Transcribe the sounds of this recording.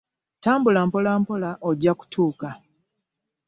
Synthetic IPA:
taːmbulaːmpolampo̞laʔoɟːaku̥tʰuːka

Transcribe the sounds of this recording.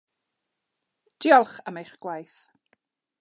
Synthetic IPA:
d̥iɔlˠχəmejχɡ̥wajθ

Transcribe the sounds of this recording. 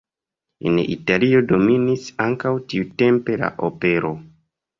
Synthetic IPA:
ḛnḭtalio̞do̞minisaŋkawtiute̞mpe̞la̰ʔope̞ɾo̞

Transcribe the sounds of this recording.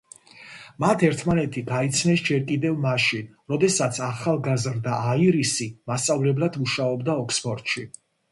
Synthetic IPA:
mat̪ʰɛɾt̪ʰmanɛt̪ʰiɡait̪sʰnɛsd͡ʒɛɾkʼid̪ɛvmaʃin | ɾɔd̪ɛsat̪sʰaχalˠɡazɾd̪aʔaiɾisimast̪sʼavlɛblˠad̪uʃaɔbd̪aɔksbʰɔɾt̪ʼʃi

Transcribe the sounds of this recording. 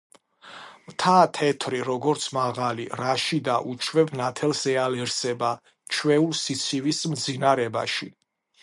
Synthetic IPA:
mt̪ʰaːt̪ʰɛt̪ʰɾiɾɔɡɔɾt̪sʰmaʁaliɾaʃid̪aʔut͡ʃʰwɛbnat̪ʰɛlsɛalɛɾsɛba | t͡ʃʰwɛulˠsit̪sʰivismd̪zinaɾɛba̰ʃi

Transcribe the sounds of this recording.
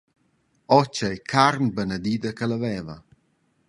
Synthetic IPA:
ɔt͡ʃəjkʰaɾnbənəd̪id̪əkələvɛːvɐ̰

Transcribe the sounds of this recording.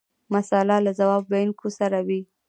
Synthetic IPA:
masalalazawɑbːajnkosaɾawi

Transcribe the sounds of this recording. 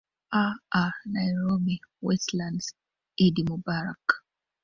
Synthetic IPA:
aanajɹobiwɛslãnd | idimubaɹak

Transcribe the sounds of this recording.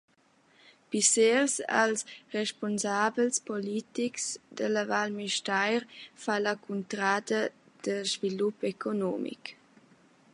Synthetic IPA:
piseɾsa̰lsrɛʃpɔnzabəlspɔlit̪iksd̪əlavalmiʃtajɾfalakʰunt̪ɾaːd̪ə | d̥əʒvilupɛkʰonɔmḭk

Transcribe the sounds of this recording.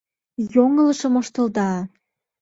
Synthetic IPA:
joŋələʃə̆moʃt̪ə̆ld̪ɑ

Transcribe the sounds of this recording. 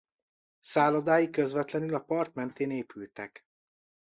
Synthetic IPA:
saːlɒd̪aːjikøzvɛt̪lɛnylɒpɒrt̪mɛnt̪eːneːpylt̪ɛ̰k

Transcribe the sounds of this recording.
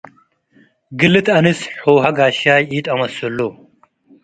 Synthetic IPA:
ɡɨlːɨt̪ɐnɨsħowɦaɡaʃajʔit̪ʼɐmɐsɐlːo

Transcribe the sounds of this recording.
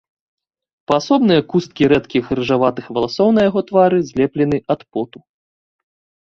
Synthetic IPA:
pɐasɔbnɨjɐkust̪̚kʲiɾɛt̪kʲixrɨʐavat̪ɨxvɐlˠasɔwnɐjaɣɔt̪vaɾɨzʲlʲɛplʲɛnɨʔɐt̪pɔt̪u

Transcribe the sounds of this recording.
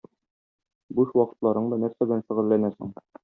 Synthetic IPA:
buʃwɒqɤ̆t̪lˠɑɾɤɴd̪ɑnæɾsæbɘ̆lænʃɘ̆ʁɘ̆lːænæsɤ̰ɴ

